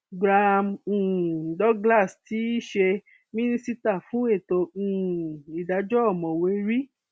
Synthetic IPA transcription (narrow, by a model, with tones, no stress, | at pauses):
ɡɾa˧m̩ː˨dɔ˦ɡla˦˨sti˨˦ʃe˧ | mĩ˦nĩ˦si˦ta˦˨fũ˨˦e˦˨tõ˧˨i˨da˨˧˦d͡ʒɔ˦ɔ˦˨mɔ̃˨we˨˧˦ɾi˦